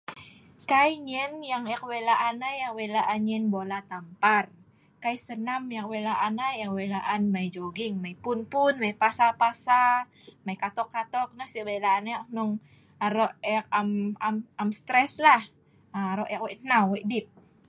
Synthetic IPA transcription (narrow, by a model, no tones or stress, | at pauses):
kajɲɛnjaŋakwelaʔanajakwelaʔanɲɛnbolat̪ampar | kajsənamjakwelaʔanaak̚welaʔanmajd͡ʒoɡɪŋmaipʊnpʊnmaipasapasa | maikat̪ɔkːat̪ɔk̚nəhsiwelaanajak̚nʊŋ | aɾɔʔɛk̚amamamst̪ɾɛslah | aɾɔʔjak̚wɛʔnawwɛʔdip̚